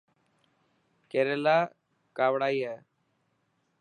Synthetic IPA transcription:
keːɾelaː | kaːʋɽaːiːɦɛː

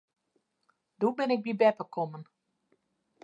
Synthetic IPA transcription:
dubɪnɪk̚bibɛtəkʰomən

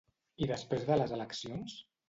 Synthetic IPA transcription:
iðəspɾezðələzələksions

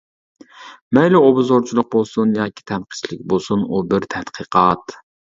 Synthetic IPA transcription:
mɛjluobʊzoɾt͡ʃʰilˠʊq̚bolˠsunjɑːkʲʰi̥t̪ʰɛnqʰə̥t͡ʃʰlɪkʲbolˠsunubɪɾt̪ʰɛt̪qʰɨqʰɑt̪

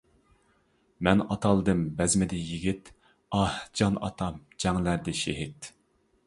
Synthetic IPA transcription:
mɛnɑt̪ʰɑlˠɨd̪ɨmbɛzmɪd̪ɪjiɡʲit̪ | ɑhd͡ʒɑnɑ̰t̪ʰɑmd͡ʒɛŋlæɾd̪ɪʃeɦɪt̪

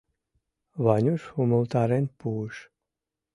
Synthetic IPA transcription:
ʋɑnʲuʃhumult̪aɾenpuːʃ

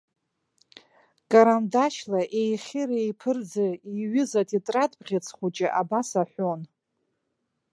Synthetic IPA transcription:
kʼaɾamdaʃlaʔejχʲɪɾejpʰɨrd͡zɨiɥɪzatʼʰitʼratʰʼbʁʲɪt͡sʰχʷut͡ʃʼɪʔabasaħʷon

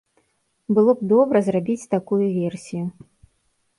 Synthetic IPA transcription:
bɨlˠɔbd̪ɔbɾɐzrabʲit͡sʲt̪akujuvʲɛrsʲiju

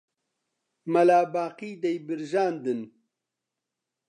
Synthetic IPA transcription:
mɐlaːbaːqiːd̪ɐjbɨɾʒaːnd̪ɨn

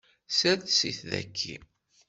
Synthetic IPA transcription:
sæt̪siθðæ̰kʰːi

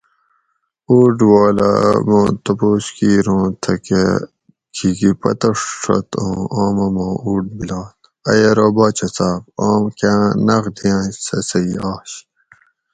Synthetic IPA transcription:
uːɖwaːlɐ̰mõːt̪ɐpoːskiːɾõːt̪ʰɐkḛ | kʰiɡipɐ̰t̪ɐʂʂɐ̰t̪ʰõːaːmɐmõːuːɖ̚bilaːt̪ | ɐjɐɾobaːt͡ɕɐsaːbaːmkãːnɐɣd̪iãːsɐsɐiaːɕ

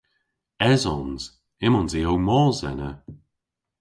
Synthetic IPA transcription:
ɛzɔnz̥ | ɪmɔnziowmɔːzɛ̰nə

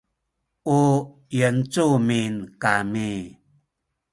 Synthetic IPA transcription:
ʔu | jənt͡suminkami

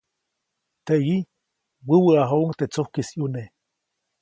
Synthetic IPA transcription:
t̪eʔji | wəwəaɦoʔuŋt̪et͡suhkisjune

